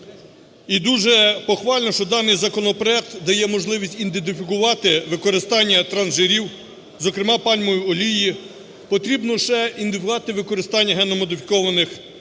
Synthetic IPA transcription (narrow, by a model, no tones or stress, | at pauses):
id̪uʒɛpɔxʋɑlʲnɔʃt͡ʃɔd̪ɑnɪjzɐkɔnɔpɾɔɛk̚t̪d̪ɐjɛmɔʒlˠɪʋʲisʲtʲind̪ent̪̬ɪfʲikʊʋɑt̪ɪʋɪkɔɾɪst̪ɑnʲːɐt̪ɾɐnʒeɾʲiw | zɔkɾɪmɑpɑlʲmɔjiɔlʲiji | pɔt̪ɾʲibnɔʃɛind̪ɪfʲɑt̪ɪʋɪkɔɾɪst̪ɑnʲːɐɦɛnɔmɔd̪ɪfʲi̥kɔʋɐnɪx